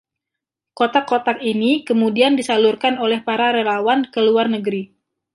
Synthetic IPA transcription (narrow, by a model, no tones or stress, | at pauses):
kot̪akot̪akinikəmudiandisalurkanolɛhpaɾaɾelawankəluarnəɡəɾi